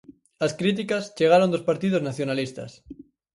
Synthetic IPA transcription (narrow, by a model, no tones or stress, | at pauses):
askɾit̪̬ikast͡ʃeɣ̞aɾond̪ospaɾt̪ið̞oznaθjonalist̪a̰s